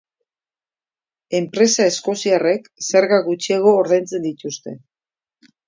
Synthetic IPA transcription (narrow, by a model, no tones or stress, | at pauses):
e̞mpɾe̞sae̞sko̞siare̞kse̞ɾɣaɣut͡ʃieɣo̞ːɾðajnt͡se̞nd̪it̪ust̪e̞̰